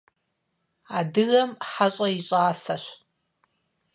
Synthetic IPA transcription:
adɨɣɐmħaɕʷʼɐiɕʷʼaːsaʃʷ

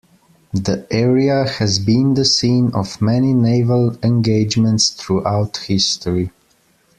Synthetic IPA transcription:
ðiʔɛɹiəhɨzbĩnðəsĩnɔvmɛnineɪvəlˠɛ̃nɡeɪd͡ʒmə̃ntsθɹuʔaʊthɪstəɹi

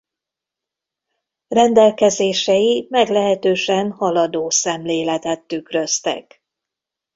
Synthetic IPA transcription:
rɛnd̪ɛlkɛzeːʃɛjimɛɡlɛɦɛt̪øːʃɛnhɒlɒd̪oːsɛmleːlɛt̪ɛt̪ːykrø̞st̪ɛ̰k

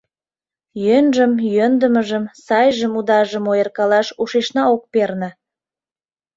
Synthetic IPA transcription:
jønʒəmjønd̪ə̆məʒəmsɑjʒəmud̪ɑʒəmojərkɑlɑʃuʃeʃnɑok̚pernə̆

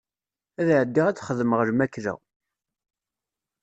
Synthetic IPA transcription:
æðʕəd̪ːiʁæt͡sːχəðməʁəɾmækːɾæ̰

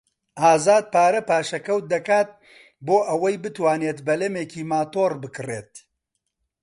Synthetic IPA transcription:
ʔaːzaːd̪̚paːɾɐpaːʃɐkɐwt̪̚d̪ɐkaːt̪̚ | boːʔɐwɐjbɨt̪waːneːt̪bɐlɐmeːkiːmaːt̪oːrbɨkɨrḛːt̪̚

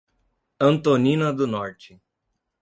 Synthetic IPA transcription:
ɐ̃nt̪onĩnɐd̪ʊnɔɾt͡ʃɪ

